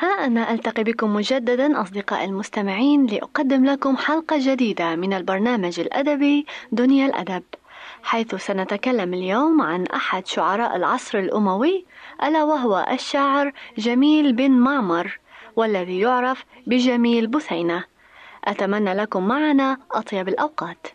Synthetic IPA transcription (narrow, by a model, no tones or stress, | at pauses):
haʔanaʔalt̪aqibɪkʊmːʊd͡ʒad̪ːad̪aʔɑ̰sˤd̪ɪqɑ̰ːʔɪlmʊst̪amɪʕiːnlɪʔa̰qɑd̪ːɪmlakʊmħalqɑd͡ʒad̪iːd̪amɪnalbɑɾˤnaːmad͡ʒɪlʔa̰d̪abid̪ʊnjalʔa̰d̪abħajθsanat̪akalːamɪljoːmʕanʔaħad̪ʃʊʕɑɾˤɑːʔɪlʕɑsˤɾɪlʔʊmawɪʔalawaɦʊwa̰ʔaʃːaʕɾʒamiːlbɪnmaʕmɑɾˤwalːaðijʊʕɾˤɑf | bɪʒamiːlbʊθajna | ʔat̪amanːalakʊmːaʕanaʔɑt̪ˤjɑbɪlʔawqɑːt̪